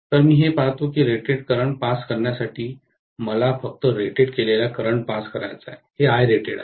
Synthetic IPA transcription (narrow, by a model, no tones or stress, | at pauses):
t̪əɾmiːɦepaɦt̪okiːɾeʈeɽkəɾəɳpaskəɾɳjasaʈiː | məlafək̚t̪əɾeʈeɽkelelakəɾəɳpaskəɾajt͡saeheajɾeʈḛɽa̰